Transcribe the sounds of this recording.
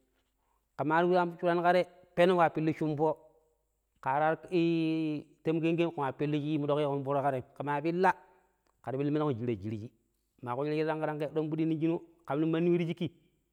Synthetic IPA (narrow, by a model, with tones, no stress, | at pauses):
ka˨ma˨˦ɾwi˦a˦t͡ʃu˦ɾa˦nka˦ɾe˦ | pe˦no˦wa˨pi˦lːi˦ʃu˦mpo˦ | ka˨ɾa˦ɾi˦te˦mke˦ŋɡe˦ku˨a˨pi˦lːi˦t͡ʃi˦mu˦do˦ki˦ku˦mbu˦ɾo˦ka˦ɾe˨ka˨ma˨bi˦lːa˦ | ka˨ɾi˨bi˦lːi˦m˦na˦ku˨d͡ʒi˨ɾa˨d͡ʒi˨ɾi˨˦d͡ʒi˦ | ma˨ku˦ji˦li˦i˦a˦ŋka˦ɾa˦ŋke˦ɗo˦mbu˦di˦ni˦d͡ʒi˦nu˦ka˨mni˦ma˦nːi˦wi˦ɾi˦d͡ʒi˦ki˦